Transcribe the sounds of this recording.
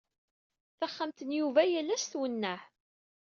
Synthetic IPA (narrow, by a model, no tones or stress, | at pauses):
θəχːəmt̪ənjuvæjælːæsθwənːəħ